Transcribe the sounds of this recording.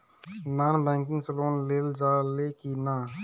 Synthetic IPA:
naːnbɛ̃ːŋkɪ̃ŋɡsəloːnleːld͡ʒaːleːkinaː

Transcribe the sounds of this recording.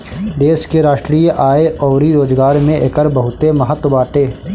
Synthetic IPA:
d̪eːʃkeɾaːʃʈɾiːjʔaːeʔɔːɾiɾoːd͡ʒɡaːɾmẽʔekəɾbəɦʊt̪emɐɦət̪wəbaːʈeː

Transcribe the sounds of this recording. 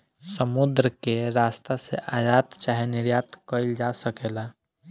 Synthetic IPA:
səmud̪ɾəkeɾast̪asḛʔad͡ʒat̪t͡ʃaɦenɪɾjat̪kəɪld͡ʒasəkeːla

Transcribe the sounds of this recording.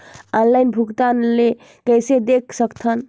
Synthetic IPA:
ɔnlaɪnbʱuɡt̪anle | kəjsed̪ekʰsəkt̪ʰən

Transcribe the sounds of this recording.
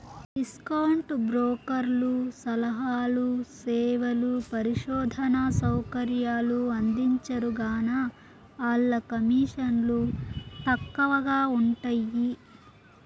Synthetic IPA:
ɖiskɐwɳʈbɾɔːkɐɾlusɐlɐɦaːlusɛːʋɐlupɐɾiʃɔːd̪ʱɐnɐsɐwkɐɾjaːluɐnd̪iɲt͡ʃɐɾuɡaːnɐ | aːlːɐkɐmiːʂɐnlut̪ɐkːɐʋɐɡaːuɳʈɐji

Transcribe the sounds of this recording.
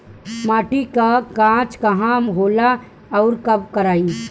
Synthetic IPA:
maːʈikakãt͡ʃkaɦãmɦoːla | ɔʊɾkəbkəɾaːi

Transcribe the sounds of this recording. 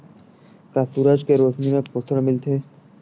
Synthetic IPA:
kasuɾad͡ʑkeɾot̪nimepot̪ʰːoɾamilt̪ʰe

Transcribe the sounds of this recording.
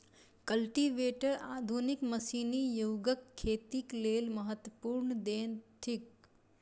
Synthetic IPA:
kəlʈiʋeːʈəɾaːd̪ʱunikməsiːnijoːɡəkʰːeːt̪ikleːlməɦət̪wəpuːɾnəd̪eːnt̪ʰɪk

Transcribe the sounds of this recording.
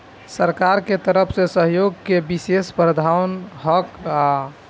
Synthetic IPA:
səɾkaɾket̪əɾəpʰsẽsəɦjoɡkebisespɾəd̪ʱaʊnɦɔka

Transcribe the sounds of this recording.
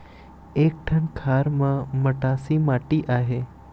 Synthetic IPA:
ek̚ʈʰəɳkʰaːɾmãməʈasimaʈiʔaɦe

